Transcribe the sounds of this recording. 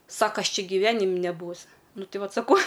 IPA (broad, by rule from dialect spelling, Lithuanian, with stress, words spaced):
ˈsɑːkɐ ˈɐʃ ˈt͡ʃʲɪ ɡʲɪˈʋʲæːnʲɪmʲ nʲɛˈbuːʊs ˈnʊ ˈtʲɪ ˈʋɐt sɐˈkɐʊ